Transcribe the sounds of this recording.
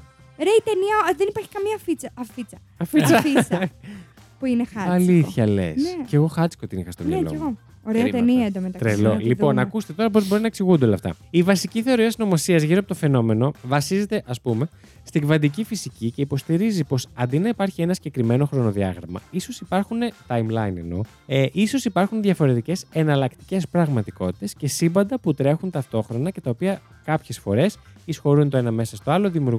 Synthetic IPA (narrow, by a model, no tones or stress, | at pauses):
ɾeit̪eniɐðenipɐɾçi̥kɐmiɐfit͡sɐɐfit͡sɐ | ɐfit͡sɐt͡s | puinexɐɐliθθçɐlḛnseceɣo̞xɐt͡si̥kot̪inḭxɐst̪omjɐlo̰eɣo | oɾeɐt̪eniɐend̪omet̪ɐt̪ɾelolipo̞nɐkust̪e̞t̪o̞ɾɐpo̞zbo̞ɾinɐeksiɣund̪eolɐ̰ft̪ɐ̰ivɐsiciθe̞o̞ɾiɐsino̞mosiɐzʝiɾoɐpot̪ofe̞no̞me̞no̞vɐsize̞t̪e̞ʔɐspume̞ | st̪iɡvɐnd̪icifisicice̞ipo̞st̪iɾizipo̞sɐnd̪inɐipɐɾçie̞nɐsiɟe̞kɾime̞no̞xɾo̞no̞ðiɐ̰ɣɾɐmɐ̰iso̞sipɐɾxunet̪ɐjmlɐjnḛno̞̰ | ʔiso̞sipɐɾxunðʝɐfo̞ɾe̞t̪ice̞se̞nɐlɐkt̪i̥ce̞spɾɐɣmɐt̪iko̞t̪i̥t̪e̞sce̞simbɐnd̪ɐput̪ɾe̞xunt̪ɐft̪o̞xɾo̞nɐce̞t̪ɐopiɐ | kɐpçe̞sfo̞ɾe̞sisxo̞ɾunt̪o̞e̞nɐme̞sɐst̪o̞ɐlo̞ðimiuɾɣ